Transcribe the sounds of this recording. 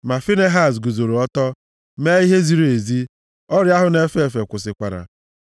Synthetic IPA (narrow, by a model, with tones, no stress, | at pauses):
ma˨fi˦ne˦ɦa˦˨s̬ɡu˨zo˨ɾo˨ɔ˦tɔ˦ | me˦i˦ɦe˦zi˦ɾo˨e˨zi˦ | ɔ˦ɾja˦ɦʊ˦ne˦fe˦˨fe˨kʷʊ˨s̬ɪ˨kʷa˨ɾa̰˨